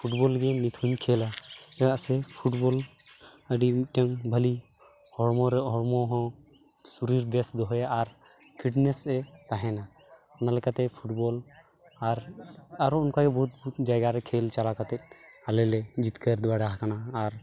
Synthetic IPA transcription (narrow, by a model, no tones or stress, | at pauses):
pʰuʈbɔlɡɛnit̪ʰuɲkʰelaɛaʔsɛpʰuʈbɔl | əɖimiʈaŋbʱəli | hɔɽmɔɾɛɦɔɽmɔɦɔ̃ | suɾiɾb̪ɛsd̪ɔɦɛaaɾ | kʰiʈnɛsɛɾaɦɛna | ɔnalɛkat̪ɛpʰuʈbɔl | aɾaɾɔunkaɡɛbɔɦut̪̚but̪̚d͡ʒajɡaɾɛkʰelt͡ʃalakat̪ɛt̚alɛlɛd͡ʒit̪kəɾd̪ɛbaɖaɦakanaːɾ